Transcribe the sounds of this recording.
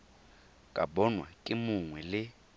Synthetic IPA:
kʼa̰bɔnwa̰kʼɪmʊŋwɛlɪ

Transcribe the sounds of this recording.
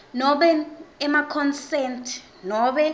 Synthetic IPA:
nɔɓɛɛmakʰɔnsɛntʰ | nɔɓɛ

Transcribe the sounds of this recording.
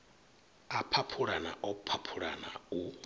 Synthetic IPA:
apʰapʰuɺana̰ʔɔpʰapʰuɺa̰nau

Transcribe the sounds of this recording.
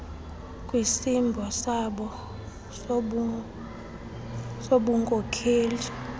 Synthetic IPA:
kʼwisimbʱɔsaɓɔ | soɓuŋkʼɔkʰeːli

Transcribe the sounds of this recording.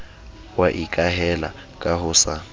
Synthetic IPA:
waʔikʼaɦɛla̰ | kʼaɦʊsa

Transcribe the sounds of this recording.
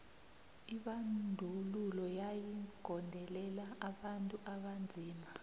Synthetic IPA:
iɓandʱululɔjajiɡ̥ʱɔndʱɛlɛlaːɓantʼuʔaɓand͡zʱiːma

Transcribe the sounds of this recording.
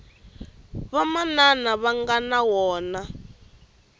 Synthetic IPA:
βamananaβaŋɡanawɔːna

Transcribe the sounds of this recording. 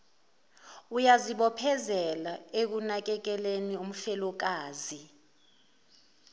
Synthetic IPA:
ujaziɓɔpʰɛzɛlaek̬unak̬ɛk̬ɛlenium̩fɛlɔk̬aːzi

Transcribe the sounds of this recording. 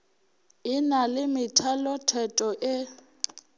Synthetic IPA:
ɪnalɪmɪtʰalɔtʰɛtʼɔʔɪ

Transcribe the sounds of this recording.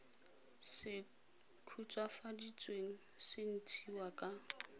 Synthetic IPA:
sɪ | kʰut͡sʼwafadit͡sʼweŋ̩sɪn̩tʰiwakʼa

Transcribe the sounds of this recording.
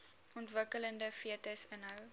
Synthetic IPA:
ɔntvəkələndəfiətəsənɦəw

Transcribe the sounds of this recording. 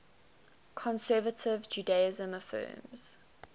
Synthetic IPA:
kʰɔ̃nsɜːvətʰɪvd͡ʒuːdaɪzə̃məfɜ̰ːmz̥

